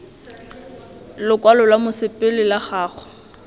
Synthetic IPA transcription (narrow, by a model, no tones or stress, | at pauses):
lʊkʼwalɔlamʊsɪpʼɪlɪlaχaːχɔ̥